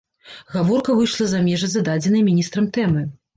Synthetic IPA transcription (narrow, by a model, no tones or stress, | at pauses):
ɣavɔrkɐvɨjʂlˠɐzamʲɛʐɐzɐd̪ad͡zʲɛnɐjmʲinʲist̪ɾɐmt̪ɛmɨ